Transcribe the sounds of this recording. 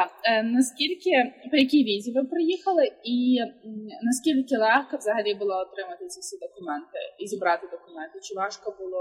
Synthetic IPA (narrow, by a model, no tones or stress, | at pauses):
nɐskʲilʲkʲɪpɔjɐkʲijʋʲizʲiʋɪpɾɪjixɐlˠɪi | nɐskʲilʲkʲɪlˠɛxkɐvzɐɦɐlʲibʊlˠɔɔt̪ɾɪmɐt̪ɪt͡sʲɐfsʲid̪ɔkʊmɛnt̪ɪizʲibɾɑt̪ɪd̪ɔkʊmɛnt̪ɪt͡ʃɪʋɑʂkɐbʊlˠɔ